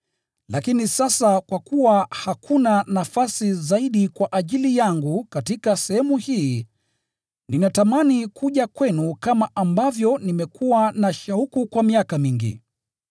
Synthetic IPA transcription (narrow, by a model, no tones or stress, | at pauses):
lakinisasakwakuwahakʰunanafasizaiɗikwaʔaʄilijaŋɡukatikasɛhɛmuhiː | ninatamanikuʄakwɛnukamaambavjɔnimɛkʰuwanaʃaukukwamiakamiŋɡḭ